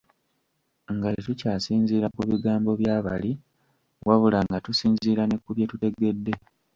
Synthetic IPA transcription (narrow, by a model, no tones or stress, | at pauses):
ŋɡajetucaːsiːɲziːɾakuβiɡaːmbo̞βjaːβa̰li | waβulaŋɡatusiːnziːɾanekuβjetute̞ɡe̞dːe̞